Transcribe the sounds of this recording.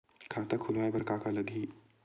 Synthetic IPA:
kʰaːt̪ɐkʰʊlaːebɐɾkaːkalɐd̪ʱi

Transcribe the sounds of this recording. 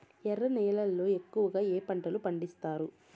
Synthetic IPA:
ɛɾɐnɛːlɐlːo̞ːekːuʋɐɡaːeːpɐɳʈɐlupɐɳɖist̪aːɾu

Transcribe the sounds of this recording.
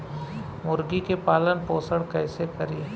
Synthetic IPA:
mʊɾɡikepaːlənpoːsəɽkɛːsekɐɾie

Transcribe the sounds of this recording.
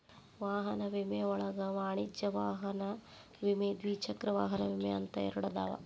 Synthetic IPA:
ʋaːɦɐnɐʋimeɔɭɐɡɐmaːɳid͡ʒjɐʋaːɦɐnɐ | ʋimeːd̪ʋiːt͡ʃʰɐkɾɐʋaːɦɐnɐʋimeɐnt̪ɐɛ̰ɾɐɽɐd̪a̰ːʋɐ̰

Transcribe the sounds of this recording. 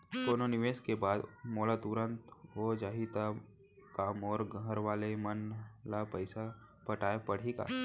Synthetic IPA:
koːnonɪʋeːskebaːd̪mɔːlat̪ʊɾə̃nt̪ɦod͡ʒaːɦit̪a | kaːmɔːɾɡɦəɾʋaːlemənlapəɪsa | pəʈaːepɐɽ̤eka̰ː

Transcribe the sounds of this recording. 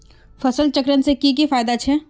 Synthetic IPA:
fɐsəlt͡ʃɐkɾənsekik̬ifaːjd̪at͡ʃʰɛː

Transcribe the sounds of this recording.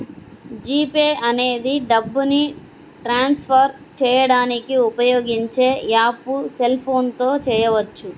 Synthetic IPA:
d͡ʒiːpeːʔɐne̞ːd̪iɖɐbːuni | ʈɾaːnspʰɐɾ | t͡ʃɛːjɐɽaːnikiupɐjoːɡiɲt͡ʃe̞ːjaːpuse̞lpʰo̞ːnt̪o̞ːt͡ʃɛːjɐʋɐt͡ʃːu

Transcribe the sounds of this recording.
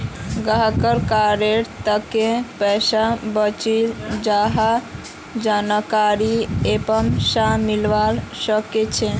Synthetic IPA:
ɡaɦkəɾkaɾeɾt̪əkẽpɛsabət͡ʃild͡ʒaɦa | d͡ʒanəkaɾiepəmsamilʋalsəket͡ʃʰɛ

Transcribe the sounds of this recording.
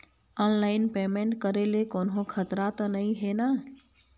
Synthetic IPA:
ɔnlaːɪnpemeɳʈkəɾelekoːnɦõkʰət̪ɾat̪ɔnəĩɦena

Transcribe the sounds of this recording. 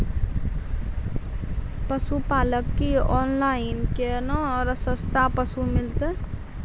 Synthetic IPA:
pəsupaːləkːiɔnlaɪnkenəɾəsəst̪apəsumɪlt̪e

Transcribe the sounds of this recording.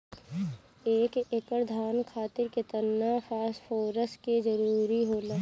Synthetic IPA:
eːkekəɾd̪ʱaːnkʰaːt̪ɪɾket̪ənːafʰaːsfoːɾəsked͡ʒəɾuːɾiɦoːlaː

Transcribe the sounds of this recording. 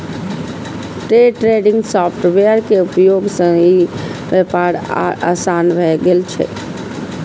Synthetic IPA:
ʈɾeʈɾeɖɪ̃ŋɡsɔːpʰʈʋeəɾkeupjoːɡsə̃ɡibepaɾa̰sanbʱɛɡelt͡ʃʰɛ̰

